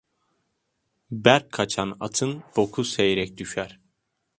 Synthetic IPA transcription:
bæɾkʰːat͡ʃʰana̰t̪ʰɯnfokʰusejeɾɛc̚d̪yʃæɾ̥

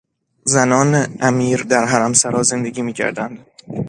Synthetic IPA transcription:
zænɒːneʔæmiːɾd̪æɾɦæɾæmsæɾɒːze̞nd̪eɟʲiːmiːcʰæ̰ɾd̪ænd̪

